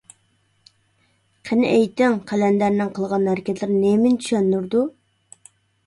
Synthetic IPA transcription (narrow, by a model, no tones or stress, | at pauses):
qʰənɪʔejt̪ɪŋqʰælɛnd̪æɾnɪŋqʰəlˠʁɑnhæɾkʲɛzlɪɾnemɪnt̪ʰy̥ʃɛnːyɾd̪u